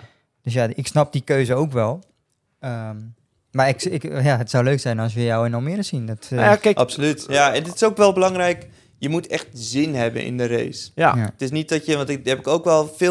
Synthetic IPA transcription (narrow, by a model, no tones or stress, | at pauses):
d̥øsjaɪksnap̚d̥ikøːzəowkʋɛlˠ | əm | maɪkɪkjaətsawløːksɛjnɔs̬jəjawɛnɔmɪɾəsindɔtʔapsolytjaɛndɪtɪ̥soːkʋɛlˠbəlɑŋrɛjk | jəmutʰɛxtzɪnɦɛbə̰nʔɪ̰ndəɾḛjsjaatɪsnit̚dɔtjəʋɔntɪhɛpɪkowkʋɛlˠfɪ